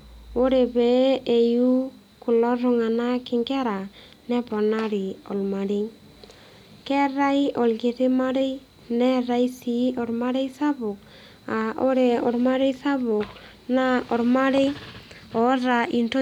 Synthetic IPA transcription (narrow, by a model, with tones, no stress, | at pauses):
o˦ɾe˨be˨e˨ju˦ | ku˨lɔ˦ɾʊ˨ŋa˨na˦kɪ˨ŋɡɛ˦ɾa˨ | nɛ˦pɔ˨na˦ɾɪ˨ɔ̰˨lma˨ɾi˦ŋ | kɛ˦ɾa˦i˦ɔ˨lɡe˨ɾɪ˦ma˦ɾe˦ | nɛ˦ɾa˦i˦si˨˦ɔ˨ɾma˦ɾe˦isa˦bʊ˨k | a˨ʔo˦ɾe˨ɔ˨ɾma˦ɾe˦sa˦βʊ˨k | na˦ɔ˨ɾma˦ɾe˦ | ɔ˨˦ɾa˨i˨nto˦